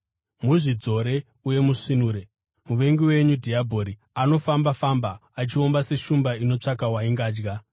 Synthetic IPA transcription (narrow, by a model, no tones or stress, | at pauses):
muʐid͡zo̞ɾe̞ | uje̞muʂinuːɾe̞ | muʋe̞ŋɡiwe̞ɲudʱiabʱo̞ɾi | ano̞fambafambaːt͡ʃio̞mbase̞ʃumbaino̞t͡ʂakawaiŋɡaːd͡ʒɡa